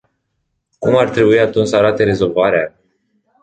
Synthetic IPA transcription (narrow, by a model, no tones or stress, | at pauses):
kumart̪ɾe̞buiat̪unt͡ʃsəaɾat̪e̞ɾe̞zo̞lvaɾea